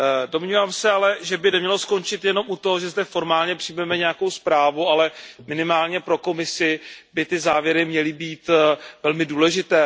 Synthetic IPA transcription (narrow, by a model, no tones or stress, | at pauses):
do̞mɲiːvaːmsɛalɛʒɛbɪnɛmɲɛlo̞sko̞nt͡ʃɪt̪jɛno̞mut̪ooʒɛzdɛfo̞ɾmaːlɲɛpr̥ɪjmɛmɛɲɛjako̞wspɾaːvualɛmɪnɪmaːlɲɛpɾo̞ko̞mɪsɪbɪt̪ɪzaːvjɛɾɪmɲɛlɪbiːt̪vɛlmɪduːlɛʒɪt̪ɛː